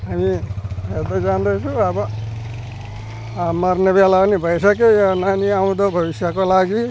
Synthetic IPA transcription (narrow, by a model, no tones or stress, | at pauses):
ɦamibʱed̪ʌd͡zand̪ʌjt͡sʰũʌbʌ | mʌɾnebalanibʱʌjsʌkejonaniaw̃d̪obʱʌbisjakolaɡi